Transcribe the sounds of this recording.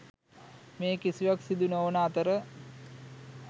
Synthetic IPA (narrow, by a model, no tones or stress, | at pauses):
meːkisiʋaksid̪unəonaːt̪əɾə